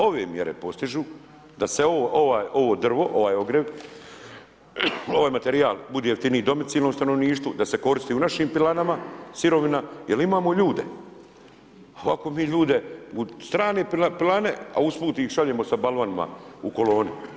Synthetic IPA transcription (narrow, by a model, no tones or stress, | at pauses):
o̞ʋe̞̰ːmjeɾe̞̰po̞st̪iʒuː | d̪aseooʔo̞ʋaːjo̞ʋo̞ːd̪r̩ʋo̞ʔo̞ʋaːjo̞ɡɾeʋ | o̞ʋaːjmat̪eɾiaːlbud̪eːjeft̪iniːid̪o̞mit̪siːlnomst̪ano̞ʋniːʃt̪ud̪ase̞ko̞ɾist̪iːunaʃiːmpilanamasiɾo̞ʋinajelimaːmoʎuːd̪e̞̰ | oʋako̞miːʎuːd̪e̞ust̪ɾaːne̞ːpapilane̞̰a̰uspuːt̪iːxʃaʎeːmo̞sabalʋanima̰uko̞lo̞ːni